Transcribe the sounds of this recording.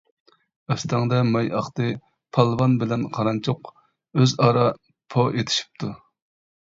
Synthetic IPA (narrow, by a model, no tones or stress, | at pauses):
ɛsd̪ŋd̪ɛmɑjʔɑχt̪ɨ | pʰɑlˠvɑnbɪlɛnqʰɑɾɑnt͡ʃʰʊq | øzɑːɾɑ | pʰoʔet̪ʰɪ̥ʃi̥p̚t̪ʰu